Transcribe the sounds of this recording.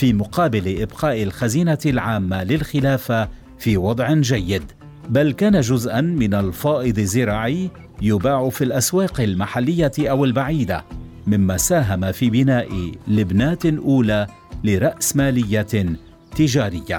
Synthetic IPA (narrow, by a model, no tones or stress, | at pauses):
fiːmʊqɑːbɪlɪʔɪbqɑːʔɪlxaziːnalʕaːmːalɪlxɪlaːfa | fiːwɑd̪ˤʕɪnd͡ʒajːɪd̪ | balkaːnaʒʊzʔanmɪnalfɑːʔɨd̪ˤɪzːɪɾɑːʕɪjː | jʊbaːʕʊfilʔaswɑːqɪlmaħalːɪjːaʔawɪlbaʕiːd̪a̰ | mɪmːaːsaːɦamafiːbɪnaːʔɪlɪbnaːt̪ʔuːlaː | lɪɾˤɑʔsmaːlɪjːa | t̪ɪʒaːɾɪjːa̰